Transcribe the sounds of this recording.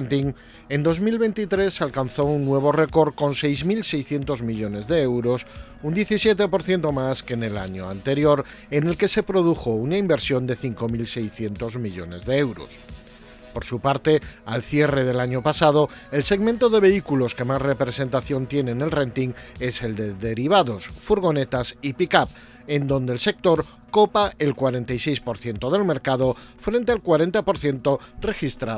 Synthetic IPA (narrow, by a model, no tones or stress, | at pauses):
nt̪iŋ | e̞nd̪o̞zmilβe̞nt̪it̪ɾe̞salkanθo̞unːwe̞β̞o̞re̞ko̞ɾko̞nse̞jzmilse̞jsθjent̪o̞zmiʎo̞ne̞zðe̞ewɾo̞s | und̪je̞θisje̞t̪e̞po̞ɾθje̞nt̪o̞maske̞ne̞laɲoa̰nt̪e̞ɾjo̞ɾ | ene̞lke̞se̞pɾo̞ð̞uxounaimbe̞ɾsjo̞nd̪e̞θiŋko̞milse̞jsθje̞nt̪o̞zmiʎo̞̰ne̞zðe̞ewɾo̞̰s | po̞ɾsupaɾt̪e̞a̰lθje̞re̞ðe̞laɲo̞pasað̞o̞ | e̞lse̞ɣmẽnt̪oðe̞β̞e̞ikulo̞ske̞masre̞pɾe̞se̞nt̪aθjo̞nt̪je̞ne̞ne̞lre̞nt̪iŋe̞se̞ld̪e̞ðe̞ɾiβ̞aðo̞sfuɾɣ̞o̞ne̞t̪asipikap | end̪õ̞nd̪eːlse̞k̚t̪o̞ɾ | ko̞paelkwaɾe̞nt̪ajse̞jspo̞ɾθje̞nt̪oð̞e̞lme̞ɾkaðo̞ | fɾe̞nt̪ealkwaɾe̞nt̪apo̞ɾθje̞nt̪o̞re̞xist̪ɾa